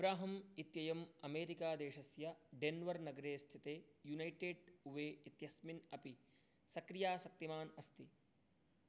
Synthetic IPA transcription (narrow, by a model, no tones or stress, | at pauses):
ɐbɾaːɦɐmit̪jɐjɐmɐmeːɾikaːd̪eːʃɐsjɐɖenʋɐɾnɐɡɐɾeːst̪ʰit̪eːjunɐjʈeːɖuʋeːit̪jɐsminɐpi | sɐkɾijaːsɐk̚t̪imaːnɐst̪i